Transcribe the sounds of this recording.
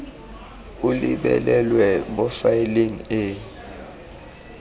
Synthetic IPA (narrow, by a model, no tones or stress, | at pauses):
ulḭɓɛ̰lɛlwɛɓɔfailiŋe